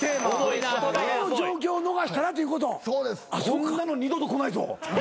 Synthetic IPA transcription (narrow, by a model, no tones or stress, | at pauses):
t̪eːmaoioonod͡ʑo̞ːk̬ʲo̞ːno̞ɡaɕi̥t̪aɾat̪̬ojɯ̟ko̞t̪o̞soːd̪esasonɯːanoɲʲid̪ot̪oko̞nait̪o̰